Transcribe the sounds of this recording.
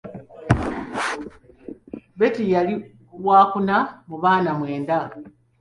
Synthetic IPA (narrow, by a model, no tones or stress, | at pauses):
be̞tijali | waːkunamuβaːnamwe̞ːnda